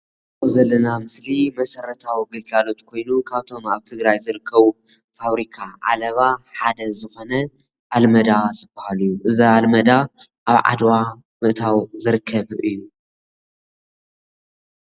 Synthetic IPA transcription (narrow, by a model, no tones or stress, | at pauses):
ozɐlːɐnamɨslimɐsɐɾɐt̪ʰawiɡɨlɡalo̞t̪kʰo̞jnukʰaβt̪ʰo̞maβt̪ʰɨɡɾajzɨɾɨkʰːɐβu | faβɾikʰaʔa̰lɐβaħad̪ɐzɨxo̞nɐ | ʔalmɐd̪azɨbɐhalɨjːuʔɨzialmɐd̪aʔaβʕa̰d̪wa | mɨʔt̪ʰawzɨɾɨkʰːɐβʔɨjːu